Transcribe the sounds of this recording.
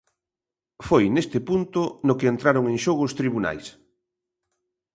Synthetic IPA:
fojnest̪ɪpunt̪ʊnokeent̪ɾaɾoŋẽŋʃoɣost̪ɾiβuna̰js

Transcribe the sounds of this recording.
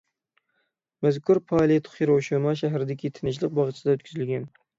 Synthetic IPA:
mæzkʰuɾpʰɑːlˠet̪ʰʊ̥χiɾoʃumɑʃ̬æɦɾɪd̪ɪkʲʰit̪ʰɪnɪʃlˠɪq̚bɑʁt͡ʃ̪ʰsɪd̪ɑøt̪kʲʰyzylɡʲɛn

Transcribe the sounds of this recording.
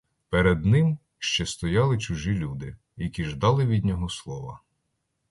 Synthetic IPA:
pɛɾɛd̪nɪm | ʃt͡ʃɛst̪ɔjɑlˠɪt͡ʃʊʒilʲud̪ɪ | jɐkʲiʒd̪ɑlˠɪʋʲid̪ʲnʲɔɦɔslˠɔʋɐ̰

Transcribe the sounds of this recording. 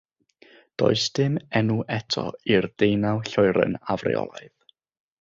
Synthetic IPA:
d̥oɨsd̥ɪmɛnuʔɛtʰɔ̰irdejnawˠɬɔɨɾə̰navrɛ̰ɔ̰lˠaɨð

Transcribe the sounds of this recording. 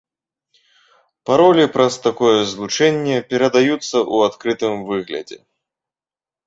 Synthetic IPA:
paɾɔlʲipɾɐst̪akɔjɛzlˠut͡ʂɛnʲːɛpʲɛɾɐd̪ajut̪sːɐʔuat̪kɾɨt̪ɨmvɨɣlʲɐ̰d͡zʲɛ̰

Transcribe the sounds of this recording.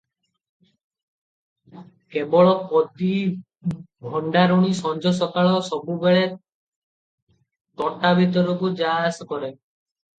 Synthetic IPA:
kebɔɭɔpɔd̪i | bʱɔɳɖaɾuɽ̃isɔnd͡ʒʱɔsɔkaɭɔsɔbubeɭe | t̪ɔʈabʱit̪ɔɾukud͡ʒaasɔkɔɾe

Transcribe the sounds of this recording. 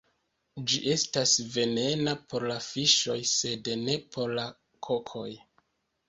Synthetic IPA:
d͡ʒiʔe̞stasve̞ne̞napo̞ɾlafiʃo̞jse̞dne̞pʰo̞ɾla | kʰo̞kʰo̞j

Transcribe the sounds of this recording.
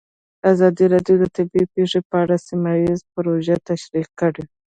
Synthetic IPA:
d̪əazɑd̪iɾɑɖjod̪ət̪ɪbipeʂepəaɽasimajizpɾoʒat̪aʃɾiqkːəɽe

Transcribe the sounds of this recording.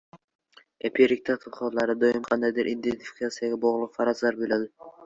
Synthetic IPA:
epʰʲiɾik̚t̪ʰat̪ʰɨvχɒllˠɑɾɨd̪ojɪmqʰɑnd̪ajd̪ɪɾʔind̪ent̪ʰi̥fi̥kʰat̪sijaɡʲaboʁlˠʊqfɑɾɑzlˠɑɾbojlad̪ɪ

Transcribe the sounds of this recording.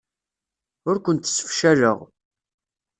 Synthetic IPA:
ʊɾkʷənt̪ːsfʃæɾə̰ʁ

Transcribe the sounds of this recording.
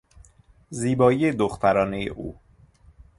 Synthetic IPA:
ziːbɒːijed̪oxt̪ʰæɾɒːnejḛʔṵː

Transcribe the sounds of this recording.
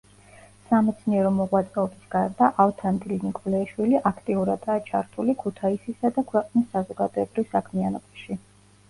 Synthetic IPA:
samɛt̪sʰniɛɾɔmɔʁwat̪sʼɛɔbisɡaɾd̪aʔalt̪ʰand̪ilinikʼɔlɛːʃwiliʔakʰt̪ʼiuɾad̪aːt͡ʃʰaɾt̪ʰulikʰut̪ʰaisisad̪akʰwɛqʼnisːazɔɡad̪ɔɛbɾivsakʰmianɔbaʃi

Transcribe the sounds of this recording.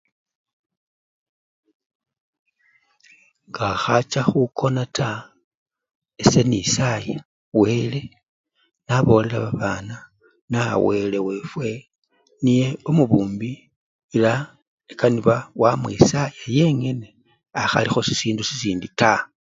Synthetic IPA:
ŋɡaxat͡ʃaxukʰo̞natʰa | ese̞nisaja | we̞le̞ | naβo̞ːle̞laβaβaːna | na̰we̞le̞we̞ːfwe̞ | nije̞omuβuːmbi | ila | ekaniβawamwisajaje̞ŋe̞ne | axa̰lixo̞sisiːndusisiːndita

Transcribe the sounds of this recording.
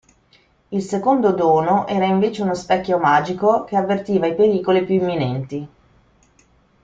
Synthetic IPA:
ilsekond̪od̪oːnoʔɛːɾaiɱveːt͡ʃeunospɛkːjomaːd͡ʒikok̟eavːert̪iːvaipeɾiːkolipjuimːinɛnt̪i

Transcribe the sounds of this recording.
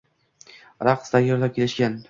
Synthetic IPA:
ɾaqsd̪ajɒɾd̪ap̚kʲʰelɪʃkʲan

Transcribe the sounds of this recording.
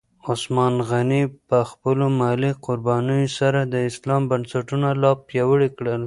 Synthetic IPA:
ʊsmɑnɣanipəxpəlomɑliqʊɾbɑnəjosaɾad̪əɪslɑmbansaʈunalɑpjɑwəɽikɽəl

